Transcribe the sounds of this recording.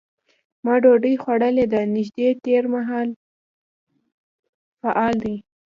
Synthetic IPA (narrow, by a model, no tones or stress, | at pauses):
mɑɖoɖəjxwaɽəled̪anɪʒd̪et̪eɾmaɦɑl | faʔɑld̪i